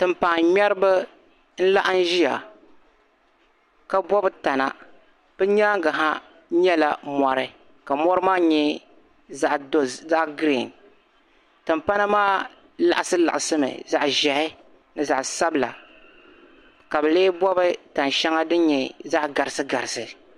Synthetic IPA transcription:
tɨ˨mpa˨ŋɲɛ˦ɾɨ˦bɨ˦ | n̩˦la˦ʔa˦n˦ʒi˦ja̰˨ | ka˨bɔ˦bɨ˦ta˨na̰˨ | b̥ɨ˦ɲaː˦ŋɡa˨ɦa˦ | ɲɛ˦la˨mɔ˨ɾɨ˦ | ka˨mɔ˦ɾɨ˦maː˦ɲɛ˦ | za˦ʔdza˦ʔɡɾi˦˨n | tɨ˨mpa˦na˦maː˦ | la̰˨ʔa˨sɨ˦la˨ʔa˨sɨ˦mɨ̰˨za˨ʔʒɛ˨hɪ˦ | nɨ˨za˨ʔsa˦bɨ˦˨la̰˨ | ka˨bɨ˨leː˦bɔ˦bɨ˦ta˨nʃɛ˦ŋa˦dɨ˦ɲɛ˨za˦ʔɡa˨ɾɨ˨sɨ˦ɡa˨ɾɨ˨sɨ˨

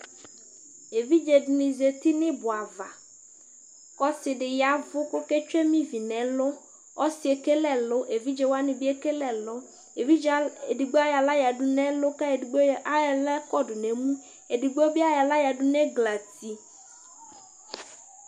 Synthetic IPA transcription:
e˨vi˦d͡ʒe˨dnɪ̃˨ze˨t̪ɪ˦nɪ̃˦bʊ˨a˨va̰˨ | kɔ˦sɪ˨dɪ˨ja˨˦vʊ˦kʊ˦kɛ˦t͡ʃɛ˦mĩ˦vi˨nɛ˨˦lʊ˦ | ɔ˦sɪ˨e˨ke˦lɛ˦lʊ˦ʔe˨vi˦d͡ʒe˨wa˦nɪ̃˨bɪ˦e˦ke˦lɛ˨lʊ˦ | e˨vi˦e˨di˨ɡ͡be˦a˦ja˨la˦ja˨dʊ˦nɛ˦lʊ˦ka˦e˨ɡ͡ba˦˨lɛ˦kɔ˦dʊ˨nɛ˨mũ˦ | e˨di˨ɡ͡be˦bɪ˦a˦ja˨la˦ja˨dʊ˦nɛ˦ɡla˨ti˨

